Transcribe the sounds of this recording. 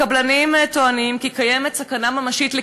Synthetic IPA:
ablanimtoanimkikajemet̪sakanamamaʃitle

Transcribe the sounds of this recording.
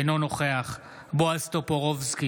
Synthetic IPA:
no̞no̞χe̞aχ | boast̪opoʁovzki

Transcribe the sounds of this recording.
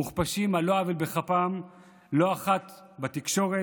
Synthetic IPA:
uχpaʃimaloavilbeχapam | lo̞aχat̪ | bat̪ikʃo̞ʁe

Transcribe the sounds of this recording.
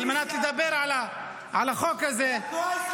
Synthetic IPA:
lmanaːt̪lɪd̪abeɾʕala | ʕalaxoːkːaze

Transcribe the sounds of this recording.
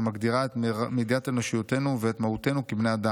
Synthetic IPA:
maɡd̪iʁaet̪mid̪iat̪eno̞ʃijot̪e̞nuveːt̪mahut̪e̞nukibnead̪a

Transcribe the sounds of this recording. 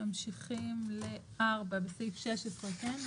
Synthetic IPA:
amʃiχimleʔaʁbabesejfʃeʃetʁaten

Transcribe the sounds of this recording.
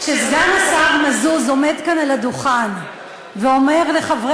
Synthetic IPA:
ʃezɡanasavmazuzo̞me̞d̪kanalad̪uχan | veo̞meʁleχavʁe

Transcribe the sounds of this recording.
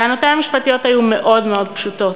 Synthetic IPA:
anot̪eamiʃpat̪ijo̞t̪hajumeʔo̞dmeo̞d̪̚pʃut̪o̞t

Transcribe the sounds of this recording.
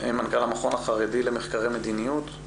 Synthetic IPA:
emankalamaχo̞naχaʁed̪ilemeχkaʁejmed̪inijut̪

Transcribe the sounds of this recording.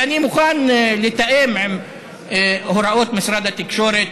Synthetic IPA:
animʊxaːnlɪt̪ːaʔeːmʕɪm | hʊɾˤɑʔoːt̪mɪsɾˤɑd̪at̪ɪkʃoːɾe

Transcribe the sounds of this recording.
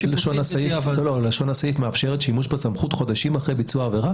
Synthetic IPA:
laʃonasajiflololaʃo̞nhasajifmeafʃe̞ʁet̪ʃimuʃbesamχut̪χo̞d̪aʃimaχʁejbit͡suaːveʁa

